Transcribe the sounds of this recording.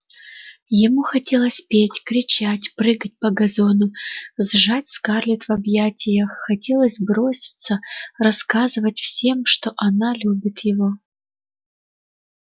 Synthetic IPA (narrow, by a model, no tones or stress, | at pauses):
jɪmuxɐtʲelˠəsʲpʲetʲkɾʲɪt͡ɕatʲprɨɡət̚ʲpɐɡɐzonʊzʐatʲskarlʲɪt̪vɐbjatʲɪjəxːɐtʲelˠəsʲbɾo̞sʲɪ̥t̪sərɐskazɨvətʲfsʲe̞mʂt̪o̞ʔɐnalʲubʲɪt̪jɪvo